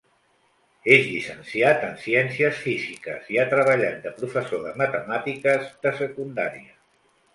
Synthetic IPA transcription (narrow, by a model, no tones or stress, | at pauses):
eʒʎisənsiat̪ənsiɛnsiəsfizikəziat̪ɾəβ̞əʎa̰t̪̚d̪əpɾufəsoðəmət̪əmat̪ikəzðəsəkund̪a̰ɾiə